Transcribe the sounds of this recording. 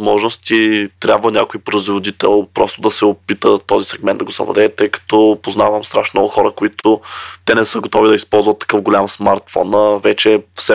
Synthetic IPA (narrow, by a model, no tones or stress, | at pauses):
zmɔʒnost̪it̪ɾʲjabvənʲakoipɾəzvod̪it̪ɛ̰lˠpɾɔst̪ʊd̪ɐsɛopit̪ət̪ɔzisɛɡmɛnd̪d̪ɐɡʊsɐ̰vlɐ̰d̪ɛt̪ːɤjkɐ̥t̪ɔpozna̰vəmst̪ɾaʃnmnɔɡʊxɔɾəkʊit̪ʰʊt̪ɛnɛsɤɡot̪ɔvid̪ɐispɔlˠzvɐt̪ːɐ̥kɤfɡolʲamsmaɾt̪fɔ̰nəvɛt͡ʃɛfsɛ